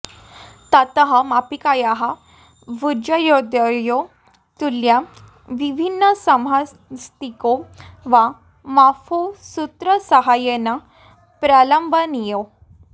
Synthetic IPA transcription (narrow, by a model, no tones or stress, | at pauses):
t̪at̪əɦamapikajaɦa | ʋud͡ʑəjod̪jəjo | t̪ulja | ʋibʱinːəsəmɦa | st̪ikoʋa | mafusut̪ɾəsəɦajena | pɾaləmbʱənijo